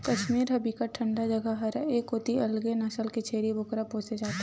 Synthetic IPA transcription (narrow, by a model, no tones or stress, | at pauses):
kɐʃmiːɾɦɐbikaʈʰɐ̃ɳɖad͡ʒɐɡəɦɐɾeːkʊt̪iɐlɡenɐsəlket͡ʃʰeːɾibʊkɾapɦoːsed͡ʒaːt̪ː